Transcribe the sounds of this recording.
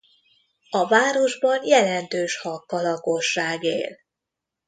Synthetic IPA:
ɒvaːɾo̞ʒbɒnjɛlɛnt̪øːʃhɒkːɒlɒko̞ʃːaːɡḛːl

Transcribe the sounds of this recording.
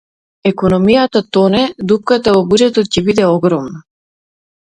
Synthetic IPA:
ɛkɔnɔmijat̪at̪ɔnɛd̪up̚kat̪avɔbud͡ʒɛt̪ɔt̪cɛbid̪ɛɔɡɾɔmna

